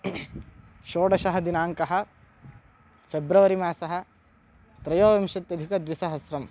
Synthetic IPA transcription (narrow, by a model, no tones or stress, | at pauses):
ʃoːɽɐʃɐɦɐd̪inaːŋkɐɦɐ̆ | pʰebɾɐʋɐɾimaːsɐɦɐ̆ | t̪ɾɐjoːʋɐmʃɐt̪jɐd̪ʱikɐd̪ʋisɐɦɐsɾɐm